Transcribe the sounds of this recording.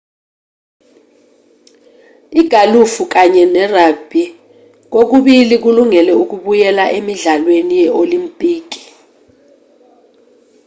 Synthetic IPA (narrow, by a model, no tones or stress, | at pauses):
iɡ̥ʱalufuk̬aɲɛnɛrab̥ʱi | k̬ok̬uɓilik̬uluŋɛlɛuk̬uɓujɛlaʔemiɮalwenijɛʔolimpʼiːk̬i̥